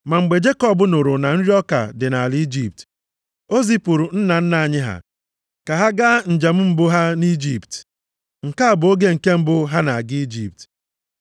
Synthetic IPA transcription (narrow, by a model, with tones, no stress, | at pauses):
ma˨ŋ͡m̩˨ɡ͡be˨d͡ʒe˦kɔ˦˨bʊ˨˦nʊ˨ɾʊ˨na˨n̩˦ɾi˦ɔ˦ka̰˨dɪ˨na˨li˦d͡ʒi˦˨p̚t | o˦zi˦pʊ˨ɾʊ˨n̩˦na˨n̩˦na˨a˨ɲɪ˦ɦa̰˨ | ka˨ɦa˦ɡa˦n̩˨d͡ʒa˨m̩˦m̩˦bʊ˦ɦa˦ni˦d͡ʒi˦˨pt | ŋ̩˨ka˦a˨bʊ˨˦o˦ɡe˦ŋ̩˨ke˦m̩˦bʊ˦ɦa˦na˨ɡɪ˦i˦d͡ʒi˨p̚t